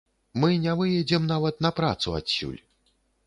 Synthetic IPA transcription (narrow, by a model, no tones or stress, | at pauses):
mɨnʲɛvɨjɛd͡zʲɛmnavɐt̪nɐpɾa̰t̪sua̰sʲːṵlʲ